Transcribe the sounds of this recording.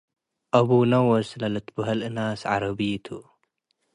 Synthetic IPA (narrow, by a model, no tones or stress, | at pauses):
ʔɐβunɐwɐslɐlɐt̪bɐɦɐlʔɨnasʕa̰ɾɐβit̪ʰu